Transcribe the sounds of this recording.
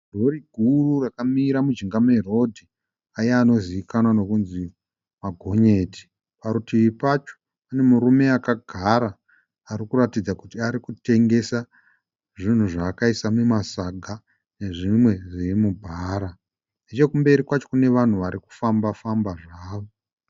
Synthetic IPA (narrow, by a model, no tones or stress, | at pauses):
dʱo̞ɾiɡʱururakamiːɾamud͡ʒiŋɡamero̞dʱi | ajeano̞ziikanano̞kunzi | maɡʱo̞ɲe̞ːtʰi̥ | paɾutʰiʋipat͡ʃo̥ | ane̞muɾume̞akaɡʱaɾaː | ɾikuratid͡zakutiaɾikute̞ŋɡe̞sa | ʐin̤uʐaːkaisamemasaɡʱa | ne̞ʐimwe̞ʐirimubʱaːɾa | net͡ʃe̞kumbe̞ɾikwat͡ʃo̞kune̞ʋan̤uʋaɾiku̥fambafambaʐaːʋo